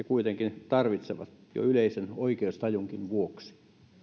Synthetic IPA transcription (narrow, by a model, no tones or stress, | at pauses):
ekuit̪eŋkint̪ɑrʋit̪seʋɑ̰t̪jo̰yleisenoikeust̪ɑjuŋkinʋuoksi̥